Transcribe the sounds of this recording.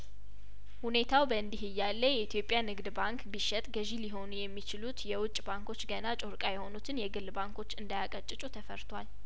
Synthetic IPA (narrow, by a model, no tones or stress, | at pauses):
hune̞t̪ʰawbəɨnd̪iɦɨjːalːəjɛit̪ʰjo̞pʼːjanɨɡd̪baŋkbɨʃɛt̪ʼɡəʒiliɦo̞nujɛmːit͡ʃɪlut̪jɛwʊt͡ʃʼbaŋko̞t͡ʃːɡənat͡ʃʼoɾkʼajɛho̞nut̪ʰɨnjɛɡɨlbaŋkʰo̞t͡ʃːɨnd̪ajakʼət͡ʃʼːɪt͡ʃʼut̪ʰəfəɾt̪ʰwal